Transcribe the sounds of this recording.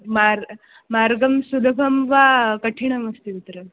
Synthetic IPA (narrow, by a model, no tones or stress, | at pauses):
maɾ | maɾɡəmsulɡʱɐmʋakəʈʰiɳ̃ɐmɐst̪iʋit̪ɾəm